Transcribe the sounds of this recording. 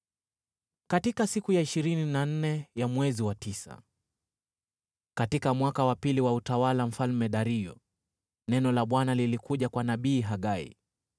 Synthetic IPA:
katikasikujaiʃiɾininan̩nɛjamwɛziwatisa̰ | katikamwakawapiliwautawalam̩falmɛɗaɾijɔ̰ | nɛnɔlaɓwanalilikuʄakwanaɓiːɦaɠaḭ

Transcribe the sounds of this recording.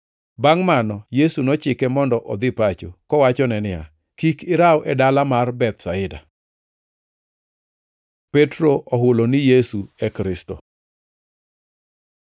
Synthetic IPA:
baŋmanɔjesunɔt͡ʃɪkɛmɔndɔʔɔd̪ɪpat͡ʃokɔwat͡ʃɔnɛnɪa̰ | kikɪɾawʔɛdalamarbɛt̪saɪda | petɾoʔɔɦʊlonɪjesuɛkɾɪsto̰

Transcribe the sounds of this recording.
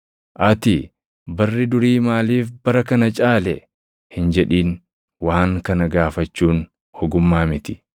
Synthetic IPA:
ʔɐt̪ɪ | bɐrːɪd̪ʊɾiːmaːliːfbɐɾɐkɐnɐt͡ʃʼaːlɛ | hɪnd͡ʒɛᶑiːn | waːŋkɐnɐɡaːfɐt͡ʃːuːn | hɔɡʊmːaːmɪt̪ɪ̥

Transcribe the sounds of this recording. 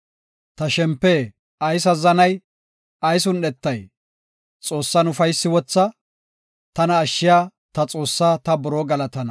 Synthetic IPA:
t̪ɐʃɛmpːɛ | ɐjs̬ɐzɐnɐj | ɐjsʊnɗɛt̪ːɐj | t͡sʼo̞ːsːɐnʊfɐjsːɪwɔt͡sːɐ | t̪ɐnɐːʃːɪjaː | t̪ɐt͡sʼo̞ːsːaːt̪ɐbɔɾoːɡɐlɐt̪ɐnɐ

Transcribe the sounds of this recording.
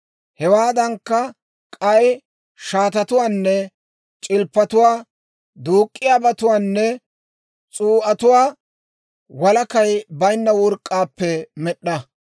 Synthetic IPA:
hɛwaːd̪ɐŋkːɐ | kʼɐj | ʃaːt̪ɐt̪ʊwaːnːɛ | t͡ʃʼɪlpːɐt̪ʊwaː | d̪uːkʼːɪjaːbɐt̪ʊwaːnːɛ | t͡sʼuːʔɐt̪ʊwaː | wɐlɐkɐjbɐjnːɐwʊɾkʼːaːpːɛmɛɗːɐ

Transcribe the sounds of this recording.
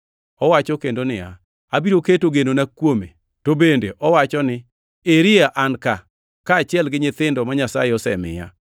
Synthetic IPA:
ɔwat͡ʃɔkendonɪa̰ | abiɾoketoɡenonakwome | tobendeʔɔwat͡ʃɔnɪ | eɾɪaʔanka | kaːt͡ʃɪɛlɡɪɲɪt̪ɪndɔmaɲasa̰jeɔsɛ̰mɪ̰ja̰

